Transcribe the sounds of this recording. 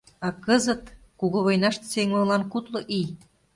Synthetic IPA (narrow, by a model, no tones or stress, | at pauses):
ɑkɤzə̆t̪ | kuɣoβojnɑʃt̪seŋmɤlɑnkut̪loʔij